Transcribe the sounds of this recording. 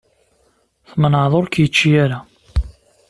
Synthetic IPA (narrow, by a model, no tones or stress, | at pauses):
θmənʕðˤoɾkjət͡ʃːijaɾa